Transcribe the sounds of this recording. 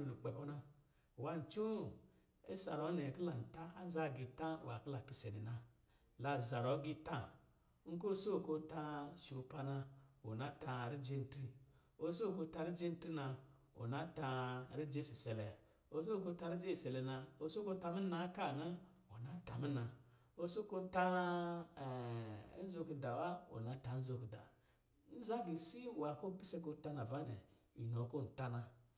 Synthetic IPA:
u˨lu˨k͡pe˨ko˦na˦˨ | wa˦n̩˨t͡ʃo˦˨ | e˦sa̰˨ɾo˨˦ne˨ki˦la˨n̩˨ta˦a˦za˦˨ɡi˨ta˦˨wa˨ki˦la˨ki˦se˨ne˨na˨ | la˨za˨ɾɔ˨˦ɡi˦ta˦ | ŋ̩˦ko˦so˦˨ko˦ta˧su˨pa˧na˧o˨na˦ta˧˨ɾi˦d͡ʒe˦n̩˨tɾi˦ | o˦so˦˨ko˧˦ta˧ɾi˦d͡ʒe˦n̩˦tɾi˦na˧ | o̰˨na˦ta˧ɾi˦d͡ʒe˦si˨sɛ˨lɛ˨ | o˨so˦ko˧˦ta˧˦ɾi˦d͡ʒe˦˨sɛ˨lɛ˨na˧o˦so˦ko˦ta˧mi˦na˦ka˦˨na˦ | o˨na˨˦ta˨mi˦na˨ | o˦so˦ko˦ta˦˨˦ | zo˧ki˧da˨wa˦o̰˨na˨˦ta˨˦n̩˦zo˧ki˨da̰˨ | n̩˦za˦ɡi˨si˦wa˨ko˦bi˦se˦ɡo˧˦ta˦na˨va˦˨dɛ̰˨ | i˨no˨ko˦n̩˨ta˦na˨˧

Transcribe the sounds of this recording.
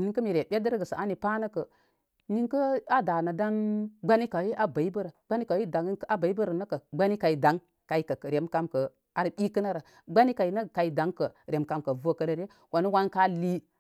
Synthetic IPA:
ni˦ŋkə˦mi˨ɾe˨bʲe˦də˦ɾɡə˨sə˨a˦ni˨pa˦nə˦kə˨ | ni˦ŋkə˦a˦da˨na˨da˦nɡ͡ba˦ni˦ka˨wi˦ʔa˦ba˨i˦bə˦ɾə˨ɡ͡ba˦ni˦ka˨wi˦da˨ŋ˦a˦ba˨i˦bə˦ɾə˨nə˦kə˨ɡ͡ba˦ni˦ka˨i˨da˨˦ŋ | ka˨i˦kə˨ɾe˨mka˦mkə˨ | a˨ɾɓi˦kə˦na˦ɾə˨ | ɡ͡ba˦ni˦ka˨i˨˦nə˦˨ka˨i˨da˨˦ŋkə˨ɾe˨mka˨mkə˨vo˦kə˦lə˨ɾe˦ | wa˨ni˦wa˦nka˦li˦

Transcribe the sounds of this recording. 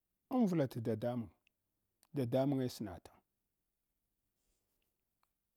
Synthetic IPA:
ə˦n˦vu˨la˨ta˨da˨da˦mu˨ŋ | da˨da˦mu˦ŋa˦sə˨na̰˨tḁ˨

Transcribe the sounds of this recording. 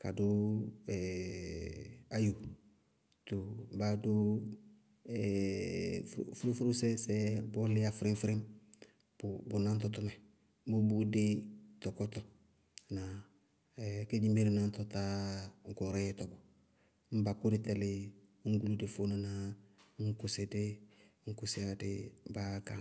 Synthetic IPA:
ka̰˨dʊ˦ɛ˨ | a˦jo˨ | to˨ba˨dʊ˦ | ɛ | ffɾɪ̃˦fu˦ɾu˦sɛ˦sɛ˦bɔ˦lɪ˦a˦fɪ˦ɾɪ̃˦fɾɪ˦m | bbʊ˨na˦n˦t̬ɔ˨˦tɔ˦mɛ˨ | bʊ˦bu˦dɪ˦tɔ˨kɔ˦tɔ˨ | na˨ | ke˦d͡ʒi˦me˦ɾina˦ntɔta˦ko˨ɾɛ˦jɛtɔ˨ɡɔ˨ | m̩˦ba˨ku˦dɪ˦tɛ˨lɪ˦ | ŋ̩˦ɡu˦lu˦dɪ˨fo˦na˦na | ŋ˦ku˦sɪ˦dɪ˦ŋ̩˦ku˦sɪ˦a˦dɪ˦ba˦ka˨

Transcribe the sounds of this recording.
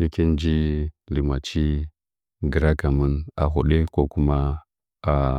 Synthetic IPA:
ni˦ki˦n˦d͡ʒi˦li˨ma˨t͡ʃi˦ | ɡə˨ɾa˦ka˨mu˦na̰˨ɦu˨ɗe˦ko˦ku˦ma˦ | a˨

